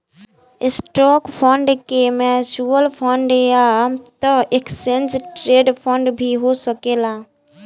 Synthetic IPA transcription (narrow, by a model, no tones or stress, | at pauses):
ɪsʈɔːkpʰɔ̃ɳɖkemɛːsuːəlpʰɔɳɖeat̪əeksẽnsʈɾeːɖpʰɔ̃ɳɖbʱiɦosəkeːlaː